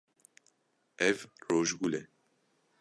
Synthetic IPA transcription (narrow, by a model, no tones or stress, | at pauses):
ɛvroːʒɡulɛ